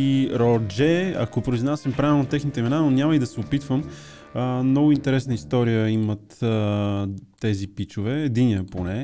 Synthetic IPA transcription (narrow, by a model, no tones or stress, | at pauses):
iɾɔd͡ʒɛɐ̰kopɾoiznasəmpɾavilˠnot̪ɛxnit̪ɛimɛnanonʲaməid̪ɐsɛopit̪vəm | əmnɔɡʊint̪ɛɾɛsnəist̪ɔɾijəimət̪ | ɛzipit͡ʃʊvɛːd̪iniəponɛ